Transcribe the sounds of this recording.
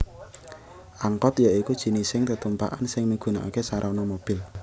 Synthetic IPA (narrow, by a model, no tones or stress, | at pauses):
ʔaŋkɔt̪jaikud̥ʒ̥i̤nisɪŋt̪ət̪umpa̰ʔa̰nsɪŋmiɡ̥ṳnaʔa̰kesaɾʔawnɔmob̥ɪ̤l